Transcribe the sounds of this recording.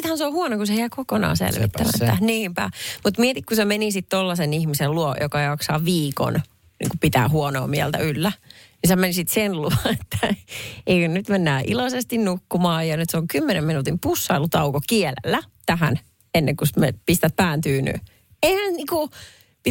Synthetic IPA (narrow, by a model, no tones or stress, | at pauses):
t̪hænseohuonokuseheækokonɑ̰ːsḛlʋḭt̪ːæ̰ʋæ̰æ̰niːmpæ̰mut̪miɛt̪ikkusemenisit̪t̪olːɑsenihmiselluojokɑjɑksɑːʋiːko̰n | nḭːŋkupit̪æ̰ːhuɔno̰ːmiɛlt̪æ̰ylːænisemensit̪senluɑnet̪ːæeikønnyt̪menːæːʔḭlosest̪innukːumɑːjɑnyt̪seoŋkymːenemminut̪impusːɑilut̪ɑukokiɛlḛlːæt̪æhæ̰n | enːeŋkusmḛpist̪æt̪̚pæːnt̪yːny̰ː | eihænniːku | pi